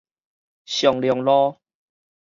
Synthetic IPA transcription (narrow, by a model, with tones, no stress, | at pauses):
ɕjɔ˨˩ŋljɔ˨˩˦ŋlɔ˦